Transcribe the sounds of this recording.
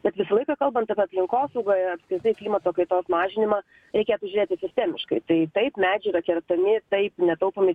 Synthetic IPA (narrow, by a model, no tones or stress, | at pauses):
bʲɛt̪ʋʲɪsɐlˠɐɪkɐkɐlˠbɐnt̪ɐpʲɛɐpʲlʲɪŋkoːsɐʊɡoːjɐpskʲɾʲɪɾt̪ɐɪklʲiːmɐt̪oːkɐɪt̪oːsmɑːʒʲɪnʲɪmɑː | ɾʲɛɪkʲeːjt̪ʊʒʲʊɾʲeːt̪ʲɪsʲɪsʲt̪ʲɛːmʲɪʃkɐɪt̪ɐɪt̪ɐɪpmʲæːd͡ʒʲɛɾɐkʲɛɾt̪ɐmʲɪt̪ɐɪpnʲɛt̪ɐʊpomʲɪ